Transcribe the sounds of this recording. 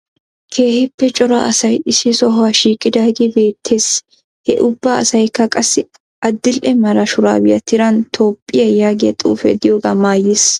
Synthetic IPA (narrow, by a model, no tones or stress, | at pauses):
kʰe̞ːhɪpːɛt͡ʃʼɔɾa̰ʔɐsɐjɪsɪsɔɦaʃiːkʼɪd̪aːɡɪbe̞ːt̪ʰːe̞ːs | hɛ̰ʔʊbːaɐsɐjkːɐkʼɐsːɪ | ʔɐd̪ːɪlʔɛmɐɾɐʃʊɾa̰ːbɪjɐt̪ːɪɾɐnt̪ʰoːpʼːɪjɐjaːɡɐt̪ʼṵːfɛ̰d̪ɪjoːɡɐmaːjɪs